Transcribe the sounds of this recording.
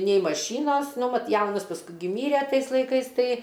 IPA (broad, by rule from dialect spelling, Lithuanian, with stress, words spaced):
nʲɛɪ mɐˈʃʲiːnoːs ˈnʊ ˈʋɐt ˈjɛʊnɐs pɐsˈkʊɪ ɡʲɪ ˈmʲiːrʲɛ ˈtɐɪs lˠɐɪˈkɐɪs ˈtɐɪ